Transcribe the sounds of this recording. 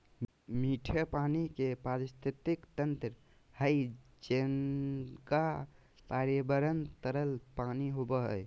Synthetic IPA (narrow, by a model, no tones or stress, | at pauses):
miʈʰəpanikepaɾist̪it̪ikt̪ənt̪ɾ | həjd͡ʒenka | paɾjəbəɾənt̪əɾəlpaniɦobəɦə̰j